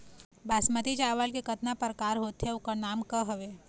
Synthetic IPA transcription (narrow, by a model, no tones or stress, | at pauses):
baːsmət̪it͡ʃaːʋalkekət̪napəɾkaːɾɦoːt̪ɦeʊkanaːmkəɦɐʋeː